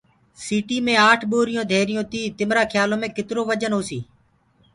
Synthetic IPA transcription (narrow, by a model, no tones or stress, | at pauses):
siːʈiːmẽːaːʈʰɓoːɾɪjõːd̪ʱeːɾɪjõːt̪iːt̪ɪmɾaːkʰjaːlõːmẽːkɪt̪ɾoːʋəd͡ʒənɦoːsiː